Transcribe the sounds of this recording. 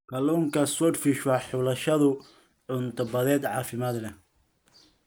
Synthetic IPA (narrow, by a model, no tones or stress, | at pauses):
kʰɐlɔːŋkʰɐswɔdfiʃwɑħʊlɐʃɐðʊ | ʕʊnt̪ʰɐbɐðɛːd̪ʕɑ̰ːfɪmaːd̪lɛ